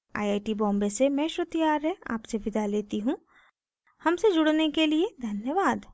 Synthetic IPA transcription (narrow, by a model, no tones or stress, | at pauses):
a̰ːjaːjʈibɔ̃ːmbesemɛ̃ːʃɾʊt̪ijaːɾɦɛa̰ːpseʋɪd̪ʱaleːt̪iɦũ | hɐmsed͡ʒʊɽnekelied̪ʱɐnjəʋaːd̪